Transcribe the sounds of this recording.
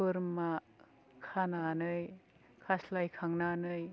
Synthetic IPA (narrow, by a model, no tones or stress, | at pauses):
ɯɾma | kʰananɯj | kʰaslajkʰaŋnanɯj